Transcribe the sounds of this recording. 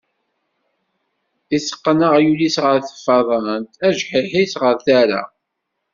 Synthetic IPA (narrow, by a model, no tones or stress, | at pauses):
isə̥qːnəʁjulisʁəɾθə̥fɑðˤənt̪æʒħɪħisʁəɾθæɾa̰